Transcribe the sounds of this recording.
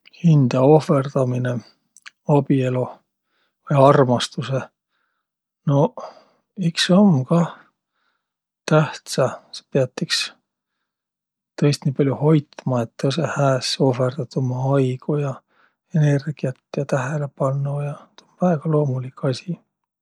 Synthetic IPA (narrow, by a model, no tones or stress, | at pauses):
hind̪̥ɑo̞fe̞rd̪̥ɑmine̞ | ɑb̥ie̞lo | ɑjɑrmɑst̪use̞ | no̞ | iksɑmkɑ | t̪æht̪sɑse̥peɑt̪ːiks | t̪ɤjst̪niːpɑlʲjuho̞jt̪mɑet̪ːosehæːso̞fe̞rd̪̥ɑt̪umɑɑjɡ̥ujɑ | ene̞rɡ̥iɑt̪ːjɑt̪æɦele̞pɑnːujɑt̪onvæeɡ̥ɑlo̞ːmulikːˑɑsʲi